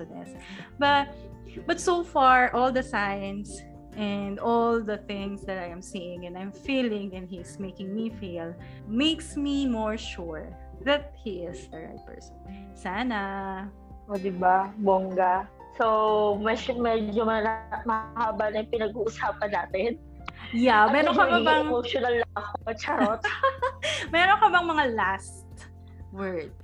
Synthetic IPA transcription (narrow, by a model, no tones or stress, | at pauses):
d̪nɛ̰s | bɐt̪̚ | bɐt̪soʊfaɹʔɔlˠd̪ɐsajɐ̃ns | ʔɛnd̪ɔld̪ɐθɪ̃ŋsd̪ɐt̪ajɛ̃msijɪ̃ŋɛ̃najmfiːlɪ̃ŋɛ̃nd̪hismejkɪ̃ŋmifil | mejksmimɔɹʃuɹ | ðɐt̪̚hiɪsd̪əɹa̰jt̪̚pɛ̰ɹsɔn | saːna | ʔod̪ɪbaboŋɡɐ | sowmɛmɛd͡ʒoɐmɐhhaːbanɐpɪnɐɡuːʔʊsaːpɐnːaːt̪ɪn | jamɛɾokɐɐbaɛŋmoʃonɐlːɐŋɐkoɐt͡ʃɐɾot̪ | mɛɾonkɐbɐŋmɐŋalas | t̪ | wɛɹd̪̚